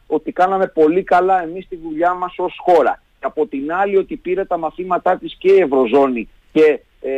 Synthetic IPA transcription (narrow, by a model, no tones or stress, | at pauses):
o̞t̪ikɐnɐme̞po̞likɐlɐe̞mist̪iðuʎɐmɐso̞sxo̞ɾɐ̰ | ɐpo̞t̪inɐlio̞t̪ipiɾet̪ɐmɐθimɐt̪ɐt̪isce̞ie̞vɾo̞zo̞ni | ce̞